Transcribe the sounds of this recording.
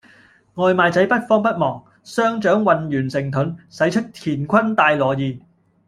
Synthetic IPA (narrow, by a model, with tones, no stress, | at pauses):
ŋɔː˨˧jmaː˨˧jt͡sɐ˨˥jpɐ˥t̚fɔː˥ŋpɐ˥t̚mɔː˨˩ŋ | sœː˥ŋt͡ʃœː˨˥ŋwɐ˨njyː˨˩nsɪ˨˩ŋt̪ʰɵ˨˥nsɐ˨˥jt͡ʃʰɵ˥t̚t̪ʰiː˨˩nkʷʰɐ˥nt̪aː˧jlɔː˨˩jiː˨˧